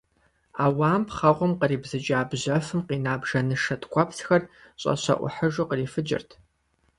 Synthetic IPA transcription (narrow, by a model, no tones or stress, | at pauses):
aːwaːmpχɐʁʷʊmqəriːbzɨt͡ʃʼaːbʑɐfɨmqiːnaːbʒɐnɨʂɐtʰkʷʰʼapʰsxɐr | ɕʼɐ̰ɕɐ̰ʔʷʊ̰ħəʒʊqəriːfɨd͡ʒʼɪ̰rtʰ